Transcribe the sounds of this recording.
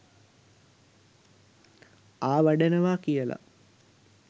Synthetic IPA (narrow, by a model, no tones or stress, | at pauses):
aːʋaɖenɐʋaːkijəla̰